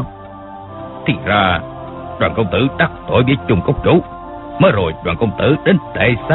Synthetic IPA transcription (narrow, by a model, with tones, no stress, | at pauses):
t̪ʰḭ˨˩zaː˧ | ɗwaː˨˩nkə˧wŋ͡mt̪ɨ˧˦˥ɗa˦˥k̚t̪o̰˧˨˦jɓi˨˦t͡ɕʊ˨˧˩ŋ͡mkə˦˥wk͡p̚t͡ɕu˨˦ | məː˨˦jzo˨˩jɗwaː˨˩nkə˧wŋ͡mt̪ɨ˧˥ɗe˨˦nt̪ḛ˧˩sa